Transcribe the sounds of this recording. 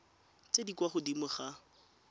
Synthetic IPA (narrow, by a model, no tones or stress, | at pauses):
t͡sʼedikwaχʊdimʊχa